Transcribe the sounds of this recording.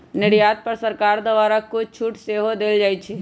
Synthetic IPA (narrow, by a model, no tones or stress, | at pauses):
nɪɽjaːt̪̚pɐɾsəɾkaːɾd̪əʋaːɾakʊt͡ʃʰuːʈseɦod̪eːld͡ʒaːit͡ʃʰɛ